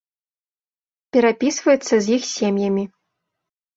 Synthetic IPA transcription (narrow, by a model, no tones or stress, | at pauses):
pʲɛɾapʲisvɐjɛt̪sːɐzʲjixsʲemjɐmʲi